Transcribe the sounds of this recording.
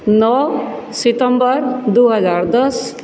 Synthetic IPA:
nɔsɪʈəmbəɾd̪uːɦəzaːɾd̪əs

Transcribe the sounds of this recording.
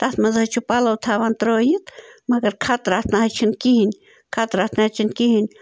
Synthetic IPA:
t̪at̪mazaht͡ʃupalawt̪ʰaβant̪ɾojit̪makəɾkʰat̪ɾat̪nahat͡ʃʰinkihin | kʰat̪ɾat̪naht͡ʃinkihinʲ

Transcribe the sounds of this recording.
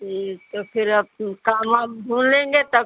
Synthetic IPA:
it̪opʰɪɾəkamãbʱũːnlẽːŋɡet̪ɔ

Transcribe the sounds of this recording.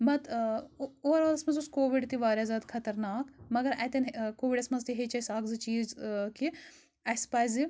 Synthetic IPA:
mɐt̪ | oɾaːlɐsmɐnzuskoːʋiɖt̪iʋaːɾʲaːzaːd̪kʰɐt̪ɐɾnaːkmɐɡɐɾɐt̪ɐnkoːʋiɖɐsmɐnzt̪iɦet͡ʃɐsaːkzɨt͡ʃiːzki | ɐspaːjzi

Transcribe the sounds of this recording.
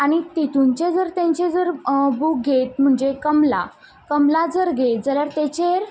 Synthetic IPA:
aɽ̃it̪it̪uɲt͡ɕed͡zəɾt̪ẽɲt͡ɕed͡zəɾbuk̚ɡʱet̪̚m̤əɳd͡zekəmla̰ | kəmlad͡zəɾɡʱet̪d͡zəljaɾt̪et͡ɕeɾ

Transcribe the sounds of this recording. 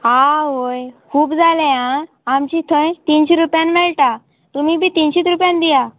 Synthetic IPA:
aɦojkʰuːbd͡zalã | amt͡ɕit̪ʰə̃jt̪iːnɕiɾupjãnmɛɭʈa | t̪umibʱiːt̪inɕiːt̪ɾupjãnd̪ija

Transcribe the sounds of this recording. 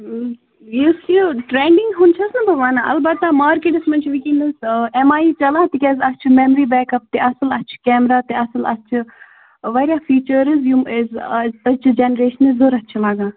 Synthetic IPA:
jiskiʈɾeːɳɖiŋɡɦunt͡ʃʰɐsnɐbɐʋaːnaʔɐ̰lbɐt̪ːamaːɾkeʈɐsmɐnt͡ʃʰʋikinɐsemaːiːt͡ʃɐlaːt̪ikʲɐzɐt͡ʃʰimemɾiːbɛːkɐp̚t̪eɐsɐlɐt͡ʃʰi̥kɛːmɾaːt̪eɐsɐlɐ̰t͡ʃʰi | ʋɐɾʲaːfiːt͡ʃəɾizjuezɐt͡ʃʰid͡ʒenəɾeːʃənizoɾɐt͡ʃʰilaːɡãː

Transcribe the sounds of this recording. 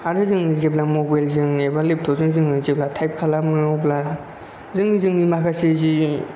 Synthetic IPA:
aɾɯzɯŋnizep̚lamobajlzɯŋnebalep̚t̪ʰozɯŋzɯŋnɯŋzep̚latʰajp̚kʰalamɯjopla | zɯŋnizɯŋnimakʰasezi

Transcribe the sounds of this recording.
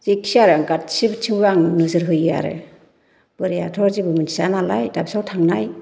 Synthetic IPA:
ziksiaɾɯaŋɡatsibt͡ʃʰiŋɾaŋnɯzɯɾɦɯja̰ɾɯ̰ | b̥ɯɾijatʰɔɾzibɯmɯni̥sanalajtabisawtʰaŋnaj

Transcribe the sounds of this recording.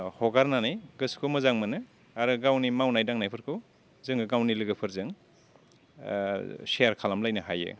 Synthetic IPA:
hɔɡaɾnanajɡɯskʰomɯzaŋmɯnɯ | aɾɯɡawnimawnajdaŋnajpʰɯɾkʰɯw | zɯŋɡɯɡawnilɯɡɯpʰɯɾzɯŋ | seaɾkʰalamlajnɯhajɯ̰

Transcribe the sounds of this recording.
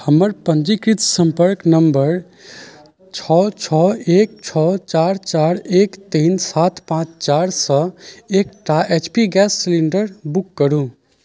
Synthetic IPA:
həməɾpənd͡ʒikɾit̪sə̃mpəɾknəmbəɾ | t͡ʃʰɔt͡ʃʰɔeːk̚t͡ʃʰɔt͡ʃaɾt͡ʃaɾekt̪iːnsat̪ʰpãt͡ʃt͡ʃaɾsə̃ekʈaʔet͡ʃpiɡɛsːiliɳɖəɾbukːəɾũ

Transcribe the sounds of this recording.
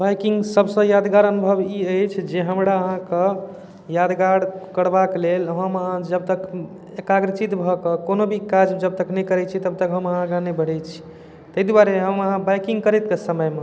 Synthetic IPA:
bajkiŋɡsəbsə̃jad̪ɡaɾənubʱəbiəjt͡ʃʰd͡ʒeɦəmɾaəɦãke | jad̪ɡaɽkəɽbaklelɦəməɦãd͡ʒəb̚t̪ək | ekaɡɾət͡ʃit̪bʱɔkekonobʱikad͡ʒd͡ʒəb̚t̪əknəjkəɾɛt͡ʃʰit̪əb̚t̪əkɦəməɦãkenəbəɽ̤ɛt͡ʃʰi̥ | t̪əjd̪waɾeɦəməɦãbajkĩŋɡkəɾɛt̪̚kesəməjme

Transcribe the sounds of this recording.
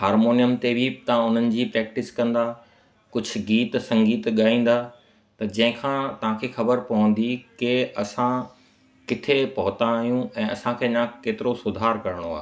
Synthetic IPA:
ɦaːɾmoːnijəmt̪ebʱit̪ɐʋ̤ãʊn̤ənɪ̆d͡ʑiːpɾɛːk̚ʈɪskɐ̃nd̪aː | kʊd͡ʑʱʊ̆ɡiːt̪sɐ̃ŋɡiːt̪ɠaːĩːn̆d̪aː | t̪ɐd͡ʑɐ̃ɦɪ̃kʰãt̪ɐʋ̤ãkʰeːxɐbəɾpɐʋə̃n̆d̪ikɪɐsã | kɪt̪ʰepɐɦʊt̪ãɦijũɛ̃ːɐsãkʰeːɐɲãkeːt̪ɪɾosʊd̪ʱaːɾkɐɾɪɽ̃oa̰ːe

